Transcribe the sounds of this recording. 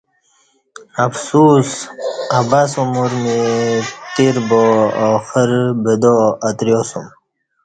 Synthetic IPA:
ɐfsuːsabasumuɾmet̪iɾboxəɾbed̪oɐt̪ɾjosum

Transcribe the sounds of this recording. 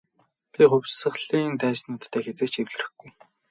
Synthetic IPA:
pʲiχɵwsə̆χɮiːnt̪æːsnʊːt̪ʰːæːxet͡seːkt͡ɕewɮɘ̆rɘ̆xɡuj

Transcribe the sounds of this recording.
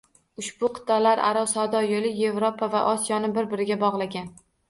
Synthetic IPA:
ʊʃbʊqʰɨ̥t̪ʰːalaɾa̰ɾɒwsawd̪ɒjolɪje̞vɾopʰava̰ʔɒsijɒnɪbɪɾbɪɾɪɡʲabɒʁlˠaɡʲan

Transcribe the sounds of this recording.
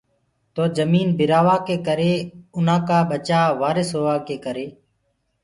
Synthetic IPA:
t̪oːd͡ʒəmiːnbʱɪɾaːʋaːkeːkəɾeːʊnãːkaːɓət͡ʃaːʋaːɾɪsɦoːaːkeːkəɾeː

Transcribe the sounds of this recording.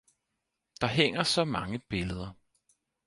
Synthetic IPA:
d̥ɑ̈ɦeŋ̰ɐsɒ̽mɑ̈ŋəb̥e̝ləð̞ˠɐ

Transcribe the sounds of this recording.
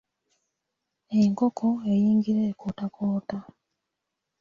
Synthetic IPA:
e̞ŋkokʰoejiːŋɡiɾeːkʰotakoːta

